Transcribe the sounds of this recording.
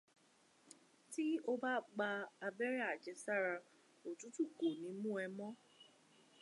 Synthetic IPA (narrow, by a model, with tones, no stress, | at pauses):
ti˦o˦ba˦ɡ͡ba˧a˨be˦ɾɛ˦a˨d͡ʒɛ˨sa˦ɾa˧ | o˨tu˦tu˦ko˨nĩ˨mũ˦ɛ˦mɔ˦